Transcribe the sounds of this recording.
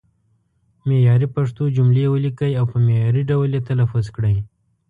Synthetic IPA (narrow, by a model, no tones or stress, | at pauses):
mejɑɾipaʂt̪od͡ʒʊmlewəlikəjawpəmejɑɾiɖawljet̪alafʊzkɽəj